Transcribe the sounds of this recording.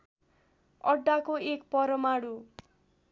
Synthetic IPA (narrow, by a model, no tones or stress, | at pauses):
ʌɖːakoekpʌɾʌmaɽu